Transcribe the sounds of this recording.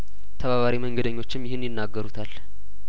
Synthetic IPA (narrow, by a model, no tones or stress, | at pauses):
t̪ʰəβaβaɾiməŋɡəd̪əɲːo̞t͡ʃːɪmjɪhɨnjɪnːaɡːəɾut̪ʰal